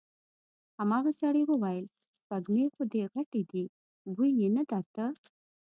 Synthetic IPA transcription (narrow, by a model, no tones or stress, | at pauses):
hamɑɣasaɽewəwajəl | spaɡnexod̪eɣaʈed̪i | bujnenad̪ɑɾt̪ə